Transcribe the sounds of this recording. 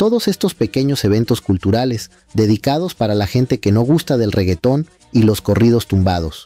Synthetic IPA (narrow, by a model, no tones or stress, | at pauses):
t̪o̞ðo̞se̞st̪o̞spe̞ke̞ɲo̞se̞β̞e̞nt̪o̞skult̪uɾale̞z | d̪e̞ðikað̞o̞spaɾalaxe̞nt̪e̞ke̞no̞ɣ̞ust̪aðe̞lre̞ɣe̞t̪o̞n | ilo̞sko̞rið̞o̞st̪umbað̞o̞s